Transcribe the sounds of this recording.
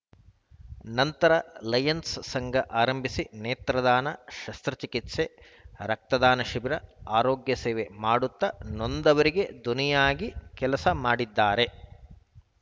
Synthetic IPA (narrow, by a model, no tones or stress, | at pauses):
nɐnt̪ɐɾɐlɐjɐnssɐŋɡʱɐʔaːɾɐmbʱisineːt̪ɾɐd̪aːnɐʃɐst̪ɾɐt͡ʃikit̪se | ɾɐk̚t̪ɐd̪aːnɐʃibiɾɐaːɾoːɡjɐseːʋemaːɽut̪ːɐnond̪ɐʋɐɾiɡe̞d̪unijaːɡikɛlɐsɐmaːɽid̪ːaːɾe̞